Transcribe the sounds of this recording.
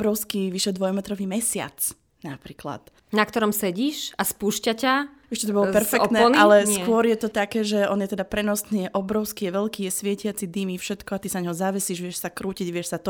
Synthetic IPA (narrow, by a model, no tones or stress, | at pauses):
bɾɔʊskiʋiʃɛd̪ʋɔjmɛt̪ɾɔʋiːmɛsɪa̰t͡s | napɾiːkla̰t̪ | nak̚t̪ɔɾɔmsɛɟiːʃaspuʃcaca | ɛʃcɛt̪ɔbɔlɔpɛɾfɛkt̪nɛalɛskʊɔɾjɛt̪ɔt̪akɛːʒɛɔnjɛt̪ɛd̪apɾɛnɔsniːjɛʔɔbɾɔʊskijɛʋɛʎkiːjɛsʋɪɛcɪat͡sid̪imifʃɛt̪kɔat̪isanaɲɦɔzaʋɛsiːʒʋɛʃsakɾuːciɟʋɪɛʃsat̪ɔ